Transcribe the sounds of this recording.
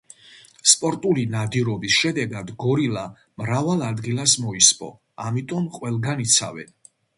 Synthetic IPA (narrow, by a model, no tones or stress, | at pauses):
spʼɔɾt̪ʼulinad̪iɾɔbisʃɛd̪ɛɡad̪ɡɔɾila | mɾavalˠad̪ɡilˠasmɔispʼɔ̰ | amit̪ʼɔmqʼwɛlˠɡanit̪sʰa̰vɛ̰n